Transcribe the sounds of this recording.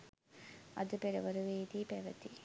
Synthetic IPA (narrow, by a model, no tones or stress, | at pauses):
ɐðɯpɛɾɐʋɐɾɯʋeːd̪ipeːʋɐt̪ːi